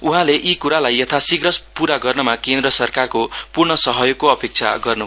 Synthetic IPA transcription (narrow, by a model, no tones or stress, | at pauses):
uɦãleʔikuɾalajːʌt̪ʰasiɡɾʌspuɾaɡʌrnʌmakend̪rʌsʌrkarkopurɳʌsʌɦʌjoɡkoʌpek̚t͡sʰa̰ɡʌrnu